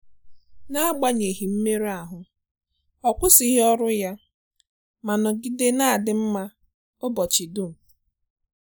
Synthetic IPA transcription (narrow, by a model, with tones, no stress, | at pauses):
na˦ɡ͡ba˦ɲe˨ɦi˨m̩˦me˦ɾa˨ɦʊ˨ | ɔ˨kʷʊ˦si˦ɦɔ˦ɾʊ˦ja˦ | ma˨nɔ˨ɡi˦de˦na˦a˨dɪ˨m̩˦ma˦ | ʊ˦bɔ˨t͡ʃɪ˨dʊ˦˨m̩˨